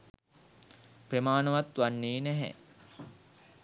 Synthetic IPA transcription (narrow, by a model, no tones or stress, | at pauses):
premaːnɐʋat̪ʋanːiːnɛɦɛ̰